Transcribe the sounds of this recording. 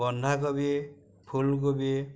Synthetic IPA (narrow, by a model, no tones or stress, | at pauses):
ɔnd̪ʱakɔbi | pʰulk̬obi